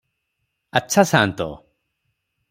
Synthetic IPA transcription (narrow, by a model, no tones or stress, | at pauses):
atːsʰasant̪ɔ̰